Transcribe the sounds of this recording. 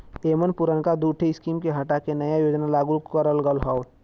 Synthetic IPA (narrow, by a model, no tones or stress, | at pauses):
t̪eːmənpuɾənkad̪uːʈʰiɪskiːmkeɦɐʈakenəjajoːd͡ʒnalaːɡukəɾəlɡəlɦɔː